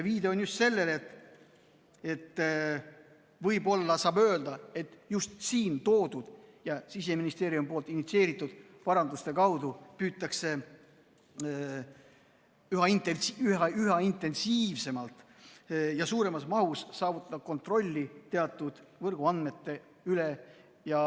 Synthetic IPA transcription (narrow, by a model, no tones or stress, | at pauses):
eviːd̪e̞onjust̪se̞lːe̞le̞t̪ː | e̞t̪ː | vɤjbo̞lːɑsɑːbø̞ːld̪̥ɑe̞t̪ːˑjust̪siːnt̪o̞ːd̪̥ud̪̥jɑsis̬e̞minist̪e̞ːɾiumpolt̪ˑinit̪sie̞ːɾit̪ːˑud̪̥ | pɑɾɑnd̪̥ust̪e̞kɑwd̪upyːt̪ːˑɑkse̞ | yɦɑint̪eyyɦɑint̪e̞nsiːvse̞mɑlt̪ˑ | jɑsuːɾe̞mɑsmɑɦussɑːvut̪ːˑɑd̪ɑ̥ko̞nt̪ro̞lʲːit̪e̞ɑt̪ːˑud̪̥vɤrɡ̥uɑnd̪me̞t̪ːe̞ | yle | jɑ